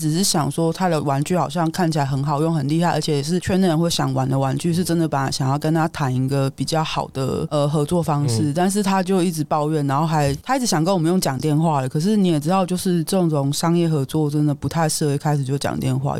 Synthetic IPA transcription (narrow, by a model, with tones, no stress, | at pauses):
ʈ͡ʂɻ̩˨˩ʂɻ̩˥˩ɕjɑ˨˩ŋʂwɔ˥t̪ʰa˥d̪ə˨wa˧˥nt͡ɕy˥˩xɑ˨˩ʊɕjɑ˥˧ŋkʰa˥˩nt͡ɕʰi˨la˧˥ɪxə˧˥nxɑ˨˩ʊjo˥˩ŋxə˨˩nli˥˧hʰa˥˩ɪʔə̰˞˧˥t͡ɕʰjɛ˧˩jɛ˨˩ʂ̬ɻ̩˥˩t͡ɕʰɥɛ˥nd̪ə˨ɻə˧˥nxwe˥˩ɪɕjɑ̰˨˩˦ŋwa˧˥nd̪ə˨wa˧˥nt͡ɕy˥˧ʂ̬ɻ̩˥˩ʈ͡ʂə˦˥nd̪ə˨pa˨˩n˦˩ɕjɑ˨˩ŋjɑ˥˩ʊkə˥nt̪ʰa˥t̪ʰa˧˥ni˧˥ɡə˧pi˨˩t͡ɕjɑ˥˩ʊxɑ˨˩ʊd̪̥ə̰˦ə˧xɤ˧˥t͡swɔ˥˩fɑ˥ŋʂɻ̩˥˩t̪a˥˧nʂ̬ɻ̩˥˩t̪ʰa˥t͡ɕjo˥˧ʊi˥˩ʈ͡ʂɻ̩˧˩pɑ˥˧ʊɥɛ˥˩nna˧˥nxo˥˩ʊxa˧˥ɪt̪ʰa˥i˥˩t͡s̩ʰ˧˥ɕjɑ˨˩ŋkə˥nwɔ˨mə˦jo˥˩ŋt͡ɕjɑ˨˩ŋt̪jɛ˥˧nxwa˥˩lə˩kʰɤ˨˩ʂ̬ɻ̩˥˩ni˨˥jɛ˨˩ʈ͡ʂɻ̩˥˧ʊt͡ɕjo˥˧ʊʂɻ̩˥˩ʈ͡ʂɤ˥˩o˧˩ŋʈ͡ʂo˧˥˩ŋʂɑ˥ŋjɛ˥˩xɤ˧˥t͡swɔ˥˩ʈ͡ʂə˦˥nd̪ə˨pu˧˥t̪ʰa˥˧ɪʂɻ̩˥˩˧kʰa˥ɪʂɻ̩˨˩t͡ɕo˥˧˩t͡ɕɑ̰˨˩ŋt̪jɛ˥˧nxwa̰˥˩